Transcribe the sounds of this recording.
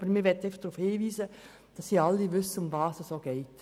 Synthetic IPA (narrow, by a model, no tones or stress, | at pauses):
bəɾmɪːɾʋɛtəɛɪfə̥χd̥ɾuːfhiːviːzə | d̥ɑsːiɑlːiʋʏsːəʊmvɑːsəssoːɡ̥ɛɪt